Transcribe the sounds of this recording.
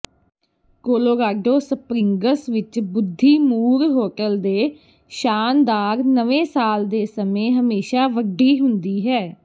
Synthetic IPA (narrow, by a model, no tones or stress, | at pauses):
koːloːɾaːɖoːsəpɾɪŋɡəsʋɪt͡ʃbʊd̪ʱːiːmuːɾɦoːʈəld̪eː | ʃaːnd̪aːɾnəʋẽːsaːld̪eːsəmẽːɦəmeːʃaːʋəɖːiːɦʊnd̪iːɦɛː